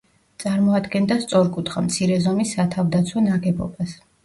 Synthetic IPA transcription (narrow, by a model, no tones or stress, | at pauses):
t̪sʼaɾmɔad̪ɡɛnd̪ast̪sʼɔɾkʼut̪ʰχamt̪sʰiɾɛzɔmisːat̪ʰavd̪at̪sʰwɔnaɡɛbɔ̰bas